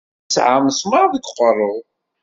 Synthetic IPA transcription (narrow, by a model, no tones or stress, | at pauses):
sʕamsməɾðəɡqːərˤːʊðˤ